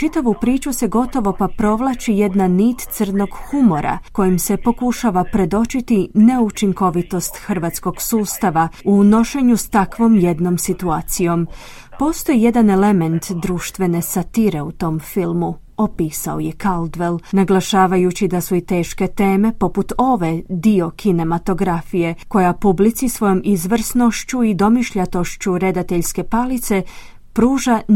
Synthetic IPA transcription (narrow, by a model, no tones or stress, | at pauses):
t͡ʃit̪aʋupɾiːt͡ʃuse̞ɡo̞t̪o̞ʋo̞papɾo̞ʋlˠat͡ʃije̞d̪naniːt̪t̪sɨrno̞ɡhumo̞ɾʔa̰ko̞jimse̞po̞kuʃaʋapɾe̞d̪o̞t͡ʃit̪ine̞ut͡ʃiŋko̞ʋit̪o̞st̪xr̩ʋaːt̪sko̞ɡ̥suːst̪aʋauno̞ʃe̞ɲust̪akʋo̞ːmje̞d̪no̞msit̪uaːt̪sijo̞m | po̞ːst̪o̞jije̞d̪ane̞le̞me̞nt̪d̪ɾuːʃt̪ʋe̞ne̞sat̪iɾe̞ut̪o̞mfilˠmu | o̞piːsao̞je̞kald̪ʋelnaɡlˠaʃaːʋajut͡ɕid̪asuit̪e̞ːʃke̞t̪e̞ːme̞po̞put̪o̞ʋe̞d̪io̞kʰine̞mat̪o̞ɡɾafije̞ko̞japublit̪sisʋo̞jo̞mizʋr̩sno̞ʃt͡ɕuid̪o̞miʃʎat̪o̞ʃt͡ɕuɾe̞d̪at̪e̞ʎske̞palit̪se̞ | pɾuːʒa